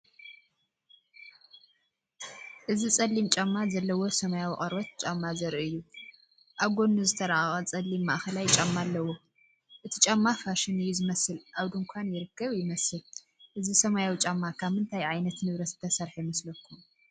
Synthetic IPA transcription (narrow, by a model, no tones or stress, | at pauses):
ʔɨzit͡sʼɐlːimt͡ʃʼamːazɐlːɐwo̞sɐmajawiχʼɐɾbɐt̪̚t͡ʃʼamːazɐɾʔuɨjːu | ʔaɡo̞nːuzɨt̪ʰɐɾaʔxʼɐt͡sʼɐlːimːaʔxɐlajt͡ʃʼamːalːɐwo | ʔɨt̪ʰit͡ʃʼamːafaʃɪnɨjːuzɨmɐsɨlʔaβd̪ɨŋkʷʰanjɪɾɨkʰːɐβjɪmɐsɨl | ʔɨzisɐmajawit͡ʃʼamːakʰaβhɨnt̪ʰajʕajnɐt̪nɨβɾɐsɨt̪ʰɐsɐɾħimɐslɐkʰːum